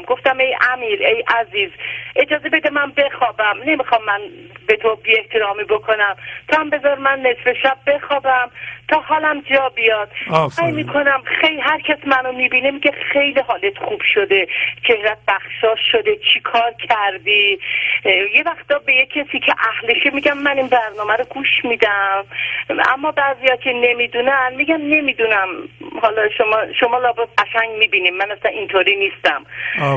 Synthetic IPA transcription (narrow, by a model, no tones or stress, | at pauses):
ɡo̞ft̪æme̞jʔæmiːɾejʔæziːzʔe̞d͡ʒɒːze̞be̞d̪emænbexɒːbæmne̞mixɒmːænbe̞t̪ʰobie̞ht̪ʰe̞ɾɒːmiːbokʰo̞næmt̪ʰɒæmbe̞zɒɾmænːe̞sfe̞ʃæb̚ːe̞xɒːbæmt̪ʰɒːɦɒːlæmd͡ʒɒːbijɒːd̪̥̚sæjmiːkʰo̞næmxejlɦæɾcʰæsmænomibiːnemiɟexe̞jliɦɒːlet̪χuːb̥ʃod̪e̞t͡ʃʰe̞hɾæt̪̚bæxʃɒːʃod̪e̞t͡ʃʰikʰɒːɾcʰæɾd̪i | je̞væxt̪ɒːbe̞jekʰːesiːcʰeʔæhleʃemiɟæmːæninbæɾnɒːmæɾoɡuːʃmiːd̪æm | æ̰mːɒːbæːzijɒcʰe̞ne̞miːd̪unænmiɟæmne̞mid̪unæmhɒlɒʃomɒːʃomɒːlɒːbeɢæʃæŋɡmiːbiːnimænæslænint̪ʰoɾiːnist̪æm